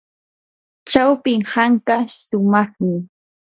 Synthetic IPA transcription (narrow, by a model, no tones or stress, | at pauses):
t͡ʃawpɪŋhaŋkaʃʊmɑχmɪ